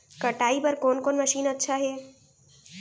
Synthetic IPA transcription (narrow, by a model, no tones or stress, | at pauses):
kɐʈaːipɐɾkoːnkoːnməʃiːnətːʃʰaɦeː